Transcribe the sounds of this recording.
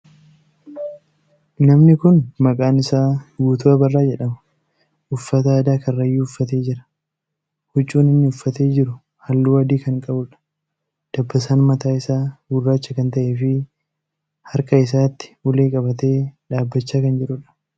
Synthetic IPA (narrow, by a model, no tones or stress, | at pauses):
nɐmnɪkʊnmɐkʼaːnɪsaːɡuːt̪ʊɐbɐrːaːd͡ʒɛᶑɐmɐ̥ | ʔʊfːɐt̪ɐaːd̪aːkɐrːɐjːuːʊfːɐt̪e̞ːd͡ʒɪɾɐ̥ | hʊt͡ʃʼːuːnɪnːɪʊfːɐt̪e̞ːd͡ʒɪɾʊ | hɐlːuːɐd̪iːkɐŋkʼɐbʊᶑɐ̥ | d̪̥ɐbːɐsaːnmɐt̪aːɪsaːɡʊrːaːt͡ʃːɐkɐnt̪ɐʔeːfɪ | hɐɾkʼɐɪs̬aːt̪ːɪ̥ʔʊleːkʼɐbɐt̪e̞ːᶑaːbːɐt͡ʃːaːkɐnd͡ʒɪɾʊᶑɐ̥